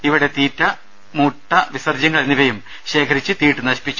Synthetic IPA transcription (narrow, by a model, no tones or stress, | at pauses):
iʋiɽe̞t̪iːtːɐ | muːʈːɐʋisɐrd͡ʑɐŋːɐɭenːiʋɐjum | ɕe̞ːkʰɐɾit͡ɕːɨt̪iːʈːɨnɐɕpit͡ɕːu